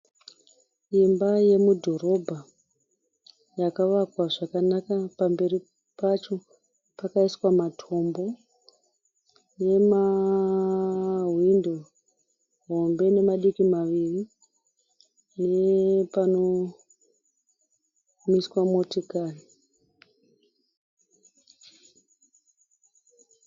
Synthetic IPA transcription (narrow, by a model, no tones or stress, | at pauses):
imbaje̞mudʱo̞ɾo̞bʱa | jakaʋakwaʐakanakapambe̞ɾi | pat͡ʃo̞ | pakaiswamatʰo̞mbo̞ | je̞ma | windo | ɦombe̞ne̞maɗikimaʋiri | nepano̞ | miswamotikaːni